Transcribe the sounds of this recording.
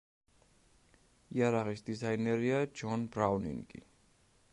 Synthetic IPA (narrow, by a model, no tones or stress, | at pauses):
iaɾaʁisd̪izainɛɾiad͡ʒɔnbɾavnḭŋɡʼḭ